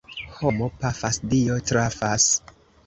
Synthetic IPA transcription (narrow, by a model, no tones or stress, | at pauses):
ho̞mopafasdiotɾafas